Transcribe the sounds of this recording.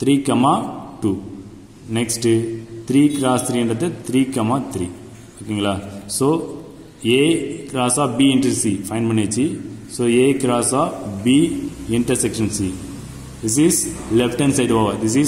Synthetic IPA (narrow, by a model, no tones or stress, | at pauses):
t̪ʰɾiːkɐmaːʈuː | nɛksʈɨt̪ɾiːkɾaːst̪ʰɾiːɛɳɖɾɐt̪ːɛt̪ʰɾiːkɐmaːt̪ʰɾiː | okːeɪŋɡɐlaːsoː | eːkɾaːsɔːbiɪ̃ɳʈɐsifɐɪ̃npɐɳːet͡ʃːisoːeːkɾaːsaːbiːɪɳʈɐɾsɛkʃɐ̃nsiː | d̪ɪs̬izlɛfʈɐ̃nsɐɪɖʋaːʋɐɾd̪ɪs̬i